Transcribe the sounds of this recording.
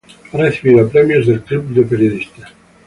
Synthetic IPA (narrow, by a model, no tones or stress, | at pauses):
aɾeθiβiɾapɾɛmjozd̪elt̪ɾipld̪epeɾjoðist̪a